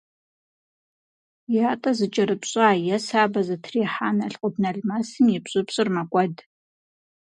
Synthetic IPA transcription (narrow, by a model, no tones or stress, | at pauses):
jaːtʼɐzɨt͡ʃʼɐɾɨpɕʼaːjɛsaːbɐzɨtʰriːħaːnɐɬqʷʼʊdnɐɮmɐsɨmjɪpɕʼɪpɕʼɨrmɐkʷʼɔd